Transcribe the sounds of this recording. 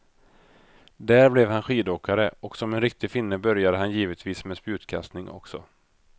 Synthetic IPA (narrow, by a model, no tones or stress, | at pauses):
d̪æːɾblɛvhanɧiːd̪oːkaɾəɔksɔmɛnɾɪk̚t̪ɪfɪnːəbœɾjad̪əɦanjiːvət̪viːsmɛːspjʉ̟ːt̪kʰa̰st̪nɪŋʔɔ̰ksɔ